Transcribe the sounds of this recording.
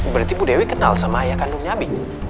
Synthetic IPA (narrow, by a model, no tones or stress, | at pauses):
bəɾat̪ibudɛwekəna̰lsamaːjakanduŋɲabɪ